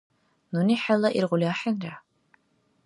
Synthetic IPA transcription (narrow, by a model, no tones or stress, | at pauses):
nuniːħalɐʔirʁʷʊlʲaːħənraː